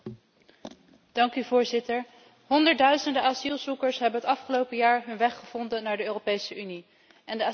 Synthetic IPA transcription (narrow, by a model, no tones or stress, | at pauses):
d̥ɑŋkyvʊːɹzɪtəɹ | ɦɔndəɹtdœɥzəndəʔaːzilˠzukəɹsɦɛbənɦətɑfχəlowpəjaːɹɦɵnʋɛχəv̥ɔndənːaːɹdəøːropejsəʔyni | ʔɛndəa